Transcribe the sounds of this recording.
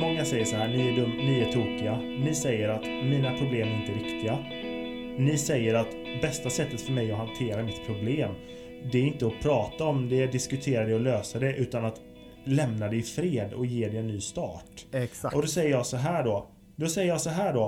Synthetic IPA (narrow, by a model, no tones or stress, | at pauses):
mɔŋːasɛjːəʂɔɦæːɾnɪæɖɵmːnɪæʈʰuːkɪanɪsɛjːəɾat̪miːnapʰɾʊbleːmæɾɪnt̪əɾɪkt̪ɪɡa | nɪsɛjːəɾat̪bɛst̪asɛt̪ːət̪fœɾmɛjɔɦant̪ʰeːɾamɪt̪ːpʰɾʊbleːm | d̪ɛæɾɪnt̪əɔpʰɾɑːt̪aɔmd̪ɛɖ̪ɪskɵt̪ʰeːɾad̪ɛɔløːsad̪ɛʔʉ̟ːt̪anat̪ | lɛmnad̪ɛɪfɾeːd̪ɔ̰jeːɖɛɛnːyːst̪ɑ̰ːʈʔɔd̪ɔsɛjːəjɑːsɔɦæːɔ | d̪ɔsɛjəjɑːsɔɦæːɖɔ